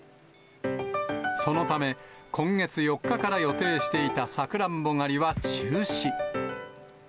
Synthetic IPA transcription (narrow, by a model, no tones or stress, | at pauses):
so̞no̞t̪ame̞kʰõ̞ŋɡe̞t͡sɨjo̞kːakaɾajo̞t̪e̞ːɕi̥t̪e̞it̪asakɯ̟ɾãmbo̞ŋaɾʲiβat͡ɕɨːɕi